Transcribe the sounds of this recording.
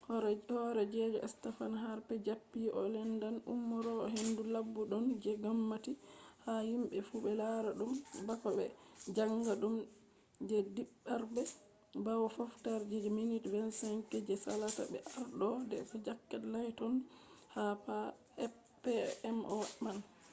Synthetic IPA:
hɔɾhɔɾɛd͡ʒɛd͡ʒɔʔɛ̰stɛfanɦaɾpɛd͡ʒapːiʔɔlɛndanʔṵmːɔɾɔɔɦendulabːuɗɔnd͡ʒɛɡamːatihahimɓɛfubɛlaɾaɗumbakɔbɛ̰d͡ʒaŋɡaɗum | d͡ʒɛdiɓːaɾbɛ | bawɔfɔftaɾd͡ʒɛd͡ʒɔminitvɛnsɛŋkɛd͡ʒɛsalata̰bɛ̰ʔaɾɗɔdɛ̰kad͡ʒakːalajtɔnhapa | pɛɛmʔɔman

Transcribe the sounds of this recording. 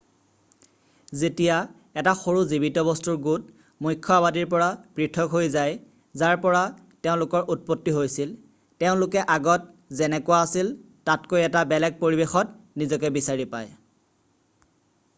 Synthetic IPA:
zetija | ɛtaxoɹuzibitɔbɔstuɹɡut | mujkʰːɔabadiɹp̬ɔɹapɹitʰɔkɦojzaj | zaɹpɔɹa | teʊ̃lʊkɔɹʔut̚potːiɦojsil | teʊ̃lʊkɛʔaɡɔt̚ | zɛnɛkʊwaːsil | tatkojɛtabɛlɛɡ̚poɹibexɔt | nizɔkɛbisaɹipaj

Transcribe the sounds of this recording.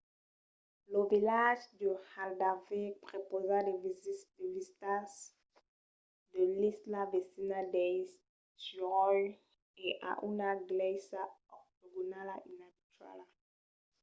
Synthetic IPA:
ləvilaʒd̪əhald̪aʁvepχepozad̪evzd̪evizit̪as | d̪əlislavesinad̪ɛj | syʁɔj | ɛʔa̰ʔynaɡlɛsaɔʁt̪oɡunalaʔinabit̪ɥa̰la

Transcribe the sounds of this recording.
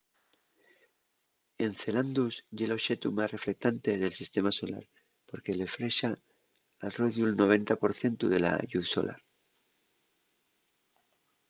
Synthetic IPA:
e̞nθe̞land̪usʝelo̞ʃe̞t̪umasre̞fle̞k̚t̪ant̪e̞ðe̞lsist̪e̞maso̞la̰ɾ | po̞ɾkele̞fɾe̞ʃaː | reðjulno̞β̞ẽ̞nt̪apo̞ɾθje̞nt̪uðe̞la̰ʝuθso̞̰lʔa̰ɾ

